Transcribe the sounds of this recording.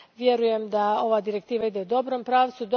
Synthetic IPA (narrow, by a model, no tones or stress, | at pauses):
ʋje̞ɾuje̞md̪ao̞ʋaːd̪iɾe̞k̚t̪iːʋaid̪e̞ud̪o̞bɾo̞mpɾaːʋt̪sud̪o